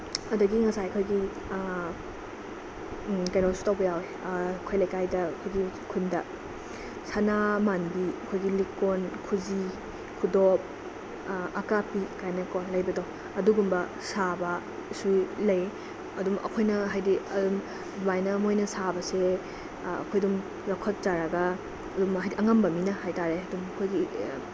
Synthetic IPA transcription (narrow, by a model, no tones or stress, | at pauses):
ɐdɐɡiŋɐsajkʰojɡi | kajnɔsu̥tawbɐjawekʰojlɐjkajdɐkʰojɡikʰundɐ | sanamanbiɐkʰojɡilikonkʰuzi | kʰudop̚ | ɐkapikajnɐkonlɐjbɐdo | ɐduɡumbɐ | sabɐ | sulɐj | ɐdumʔɐ̰kʰojnɐɦajdiɐdum | dbajnɐmojnɐsabɐse | ɐ̰kʰojdum | ɾɐkʰɐt̚t͡ʃaɾɐɡɐ | ɐdumajdiʔɐŋɐmbɐminɐhajtaɾeɐdumɐkʰojɡi